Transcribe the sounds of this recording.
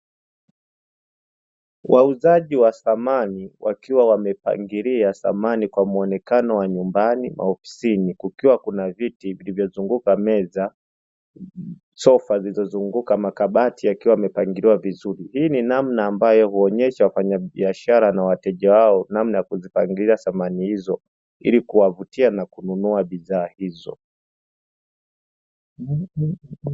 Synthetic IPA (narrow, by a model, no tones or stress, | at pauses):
wʔauzaʄiwasamaniwʔakiwawamɛpa̰ŋɡiɾiasa̰manikwamuɔnɛkanɔwaɲumbanima̰hɔfi̥sinikukiwakunavitivilivjɔzuŋɡukamɛza | sɔfazilizɔzuŋɡukamakaɓatʰiakiwamɛpaŋɡiɾiwavizuɾihiːninamnaːmbajɔhuɔɲɛʃawafaɲaɓiaʃaɾanawatɛʄawaɔnamnajakuzipaŋɡiiaθamanihizɔ | ḭlikuwavutianakununuaɓiðaːhizɔ̰